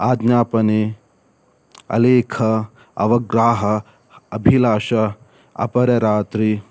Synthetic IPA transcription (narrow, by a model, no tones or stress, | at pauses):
aːd̪naːpɐne | ɐ̰leːkʰɐ | ɐ̰ʋɐɡɾaːɦɐː | bʱilaːʃɐ | ɐ̰pɐɾɐɾaːt̪ɾi